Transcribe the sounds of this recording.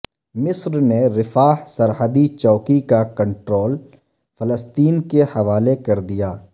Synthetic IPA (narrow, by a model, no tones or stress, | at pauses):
mɪsɾneɾɪfaːhsɐɾhəd̪it͡ʃɔːkikakɐ̃ɳʈɾoːl | fɐləst̪iːnkehɐʋaːlekɐɾd̪ijaː